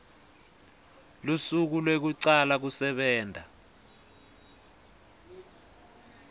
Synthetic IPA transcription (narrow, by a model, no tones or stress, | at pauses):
lusuk̬ulwek̬uǀalak̬usɛɓɛːndʱa